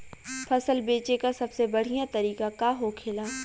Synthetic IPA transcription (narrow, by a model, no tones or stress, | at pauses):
pʰɐsəlbeːt͡ʃekasɐbsebɐɽ̤ijãt̪ɐɾiːkakaɦokʰeːlaː